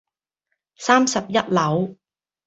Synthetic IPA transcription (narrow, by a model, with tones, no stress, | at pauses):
saː˥msɐ˨p̚jɐ˥t̚lɐ˨˥w